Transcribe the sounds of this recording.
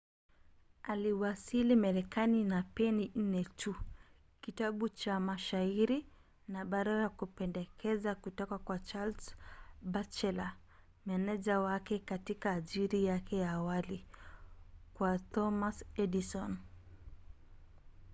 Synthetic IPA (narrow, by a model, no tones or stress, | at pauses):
aliwasilimaɾɛkaninapɛnin̩nɛtʰu | kitaɓut͡ʃamaʃaiɾi | naɓaɾaɾakupɛndɛkɛzakutɔkakwat͡ʃalsbat͡ʃɛla | mɛnɛʄawakɛkatikaːʄiɾijakɛjaːwali | kwatɔmasɛdisɔn